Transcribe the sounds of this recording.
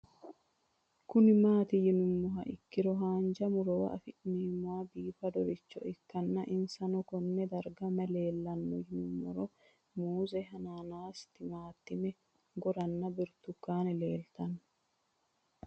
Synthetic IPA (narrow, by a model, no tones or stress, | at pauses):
kʊnɪmaːt̪ɪjɪnʊmːɔɦɐʔɪkːɪɾɔɦaːnd͡ʒɐmʊɾɔwɐ̰ʔɐfɪʔniːmːʊaːbiːfɐd̪ɔɾɪt͡ʃːɔ̰ɪkːɐnːɐʔɪnsɐnɔkɔnːɛd̪ɐɾɡɐmɐle̞ːlːɐnːɔjɪnʊmːɔ̰ɾɔ | muːzɛɦɐnaːnaːst̪ɪmaːt̪ːɪmɛ | ɡɔɾɐnːɐbɪɾt̪ʊkːaːnɛleːlt̪ɐnː